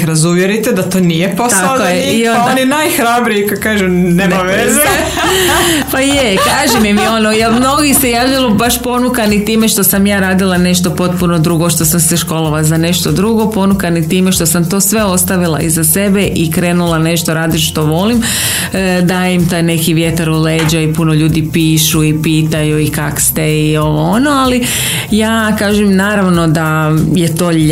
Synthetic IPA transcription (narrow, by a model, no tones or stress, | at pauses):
ɾazuʋjeɾit̪ed̪at̪oːnijepost̪akojeiononinajxɾabɾijikokaːʒunenaʋeze | pajekaːʒemimio̞nojamno̞ɡisejaːʋʎalˠobaʃpo̞nukanit̪iːme̞ʃt̪o̞samjaːɾaːd̪ilˠane̞ʃt̪opo̞t̪̚puno̞d̪ɾuɡoʃt̪o̞samseʃko̞loʋazane̞ʃt̪od̪ɾuɡo̞po̞nukanit̪iːmeʃt̪osamt̪o̞ːsʋe̞o̞st̪aʋilˠa̰izase̞be̞ʔikɾe̞ːnulˠane̞ʃt̪o̞ɾaːd̪iʃʃt̪o̞ʋo̞lim | d̪aimt̪ajne̞kiʋjet̪aɾuleːd͡ʑaipuno̞ʎuːd̪ipiːʃuipiːt̪ajuikakst̪eio̞ʋoono̞ali | jaːkaːʒemnaːɾaʋno̞d̪ajet̪o̞ː